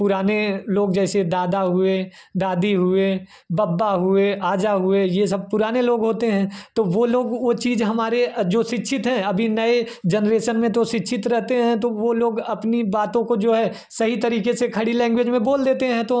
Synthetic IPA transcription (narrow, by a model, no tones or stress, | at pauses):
pʊɾaːneloːɡd͡ʒɛːsed̪aːd̪aɦʊed̪aːd̪iɦʊe | baːbːaɦʊeʔaːd͡ʒaɦʊejesɐb̚pʊɾaːneloːɡɦoːt̪eɦɛ̃ːt̪oʋoːloːɡʋot͡ʃiːzɦɐmaːɾed͡ʒoːʃɪtːʃʰɪt̪ɦɛ̃ɐbʱinɐe | d͡ʒɐnɾeːʃənmẽt̪oʃɪtːʃʰɪt̪ɾɛɦt̪eɦɛ̃t̪oʋoloːɡɐpnibaːt̪õkod͡ʒoːɦɛː | sɐɦit̪ɐɾiːkesekʰɐɽilɛ̃ːŋɡwed͡ʒmẽboːld̪eːt̪eɦɛ̃t̪o